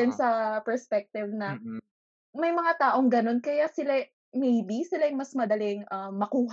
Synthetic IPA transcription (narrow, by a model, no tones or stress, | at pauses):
ɪnsɐpɛɹspɛk̚t̪ɪvnɐ | mɐjmɐŋat̪aːʔoŋɡɐno̞nkɐjasɪla | mɛjbisɪlajʊŋmɐsmɐd̪ɐlɪŋʔɐmːɐkuːɦ